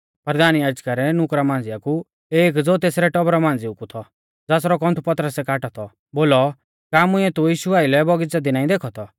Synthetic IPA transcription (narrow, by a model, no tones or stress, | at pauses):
pɐɾd̪aːnjaːd͡ʒkaɾɛnʊkɾamãːn̆d͡zɪjaku | eːk̬d͡zoːt̪eːsɾɛʈɔbɾɔmãːn̆d͡zɪʊkut̪ʰɔ | d͡zaːsɾɔkɔ̃nt̪ʰupɐt̪ɾəsɛkaːʈɔt̪ʰɔ | boːlɔ | kaːmʊɛt̪ujiːʃuaːɪlɛbɔɡɪt͡sad̪inaːĩd̪eːkʰɔt̪ʰɔ